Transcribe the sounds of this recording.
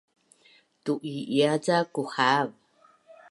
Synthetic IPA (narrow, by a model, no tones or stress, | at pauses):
tuʔiiat͡sakuħav